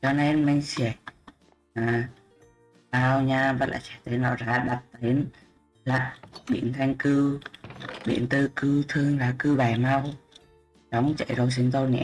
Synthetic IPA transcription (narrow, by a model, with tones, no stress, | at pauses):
t͡ɕɔ˧ne˧nma˧ŋ̟sɛ˧˩ | aː˨˩ | ɓaː˧wɲaː˧və̰˧˥la̰ː˧˨˩t͡ɕɛ˧˩t̪e˨˦nlɔ̰˧˨˩zaː˨˦ɗa˨˩t̚t̪e˨˦n | la̰ː˧˨ɓḭ˧˨ənt̪ʰa˧jŋ̟kɨ˧ | ɓḭ˧˨ənt̪ɨ˧kɨ˧wt̪ʰɨ˧əŋlaː˨˩kɨ˧ɓaː˨˩jma˧w | ɗɔ˨˦wŋ͡mt͡ɕə̰˧˨jzə˨˧ws̬i˨˦ŋt̪o˧wnɛ̰˧˥